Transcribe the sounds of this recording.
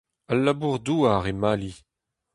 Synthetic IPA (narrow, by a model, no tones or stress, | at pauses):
alːabuʁduaʁemali